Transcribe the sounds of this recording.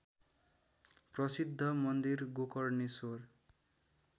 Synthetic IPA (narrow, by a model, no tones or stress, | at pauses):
prʌsid̪ʱːʌmʌnd̪irɡokʌrnesor